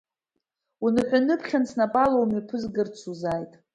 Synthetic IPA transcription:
unɨħʷᶣanɨpʰχʲansnapʼalowmipʰɨzɡɨrt͡sʰuzajtʼ

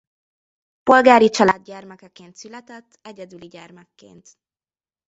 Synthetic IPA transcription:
po̞lɡaːɾit͡ʃɒlaːd̪̚ɟɛrmɛkɛkeːnt̪sylɛt̪ɛt̪ːɛɟɛd̪yliɟɛrmɛkːḛːnt̪

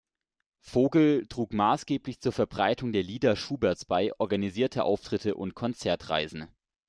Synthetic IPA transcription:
foːɡl̩tʁ̥uːkmaːsɡ̥eːplɪçt͡suːɐfɛɐbʁaɪtʰʊŋdeːɐliːdɐʃuːbɛɐt͡sb̥aɪʔɔɐɡaniziːɐtʰəʔa̰ʊftʁ̥ɪtəʔʊ̰ntkʰɔnt͡sɛɐtʁ̥a̰ɪzn̩

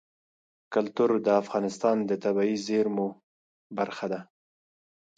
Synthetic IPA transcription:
kalt̪uɾd̪əafɣɑnɪst̪ɑnd̪ət̪abɑizeɾmu | baɾxad̪a

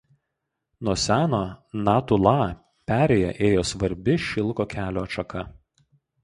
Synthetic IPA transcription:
nuɔsʲæːnoːnɑːt̪ʊlˠɑː | pʲæːɾʲeːjɛ̰ʔeːjoːsʋɐɾʲbʲɪʃʲɪlˠkoːkʲæːlʲoːɐʃɐkɐ

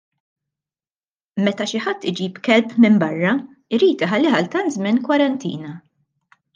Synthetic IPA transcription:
mɛt̪ɐʃɪħɐt̪ːɪd͡ʒiːpkɛlpmɪmbɐrːɐ | ɪɾiːt̪ɪħɐlːɪħɐlt̪ɐnt̪zmɪnkwɐɾɐnt̪ḭːnɐ

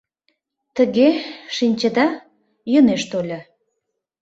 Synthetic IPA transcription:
t̪əɣeʃinʲt͡ɕəd̪ɑ | jəneʃt̪olʲə

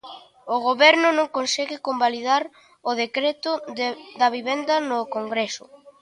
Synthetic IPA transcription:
oɣ̞oβɛɾnʊnõŋkonsɛɣɪkombaliðaɾ | oðekɾet̪ʊd̪ɐβ̞iβɛnd̪ɐnʊkoŋɡɾɛsʊ̰

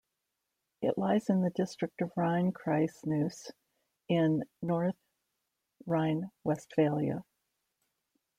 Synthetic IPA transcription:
ɨʔlaɪzɨ̃nðɨdɪstɹ̥ɨk̚tʌvɹãɪ̃nkʰɹ̥aɪsnʉs | ɪ̃nːɔɹθ | ɹãɪ̃nwɛstfeɪlˠjɨ̰

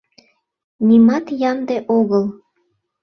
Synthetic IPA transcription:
nimɑt̪jɑnd̪eʔoɣəl

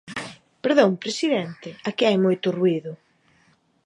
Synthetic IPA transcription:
peɾðõŋpɾesiðɛnt̪ɪakeajmojt̪ʊrwiðʊ

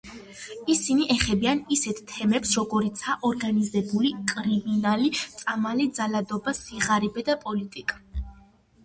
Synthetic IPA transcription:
isiniʔɛχɛbianisɛt̪ʰt̪ʰɛmɛpsɾɔɡɔɾit̪sʰaʔɔɾɡanizɛbulikʼɾiminalit̪sʼamalid̪zalad̪ɔbasiʁaɾɛbɛd̪apʼɔlit̪ʼikʼḁ

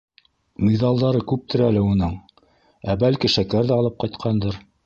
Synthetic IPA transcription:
mʲiðɑlˠd̪ɑɾɤkʉp̚t̪ɘ̆ɾælɘunɤɴ | æbælkiʃækæɾðæɑlˠɤp̚qɑjt̪qʰɑnd̪ɤɾ

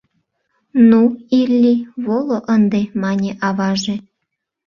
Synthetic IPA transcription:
nuilʲːivolˠoʔɤ̆nd̪emɑnʲeʔɑβɑʐĕ

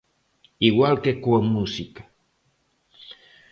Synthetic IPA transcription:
iwalkekʷomusikḁ

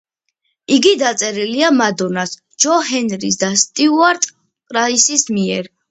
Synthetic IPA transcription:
iɡid̪at̪sʼɛɾiliamad̪ɔnas | d͡ʒɔhɛnɾis̬d̪ast̪ʼiuaɾt̪ʼ | qʼɾaisismiɛɾ

